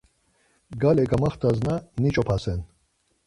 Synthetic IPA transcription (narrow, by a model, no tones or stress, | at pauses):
ɡalɛɡamaχt̪ʰaznanit͡ʃʼɔpʰasɛn